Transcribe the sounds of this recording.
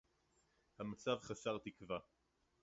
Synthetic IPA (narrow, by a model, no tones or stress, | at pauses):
hamat͡savχasaʁt̪ikva